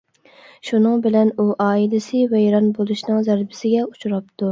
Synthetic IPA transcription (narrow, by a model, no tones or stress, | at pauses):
ʃunɨŋbɪlɛnuʔɑːilɪsɪvɛjɾɑnbolˠuʃnɨŋzæɾbɪsɪɡʲɛut͡ʃʰɾɑp̚t̪ʰu